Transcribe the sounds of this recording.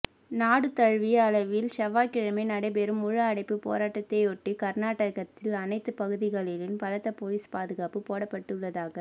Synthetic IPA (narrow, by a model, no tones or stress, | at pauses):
naːɽɯt̪ɐɻʋiɐlɐʋɪlʃɐʋaːkɪɻɐmɐɪnɐɽɐɪpɛɾɯmʊɻaːɐɽɐɪpːɯpo̰ːɾaːʈːɐt̪ːeɔʈːikɐɾnaːʈːɐɣɐt̪ːɪlɐnɐɪt̪ːɯpɐɣɯðɪɣɐɭɪlɪnpɐlɐt̪ːɐpoliːspaːðɯɣaːpɯpoːɽɐpːɐʈːɯɭːɐðaːɣɐ